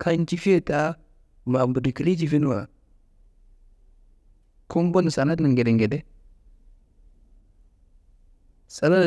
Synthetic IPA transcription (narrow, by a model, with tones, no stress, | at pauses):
kʰa˦nt͡ʃi˦fi˦e˦ta˦ | la˨m˨du˨di˨ki˦li˦t͡ʃi˨fi˦n˦wa˨a̰˨ | ku˦m˦bo˦ni˨sa˨na˦dni˨ŋɡe˨de˨ŋɡe˨de˦ | sa˨la˦˨